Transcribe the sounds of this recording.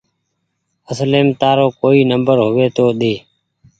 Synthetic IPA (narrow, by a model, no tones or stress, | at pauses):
əsleːmt̪aːɾoːkoːiːnəmbəɾɦʊʋeːt̪oːɗ̪eː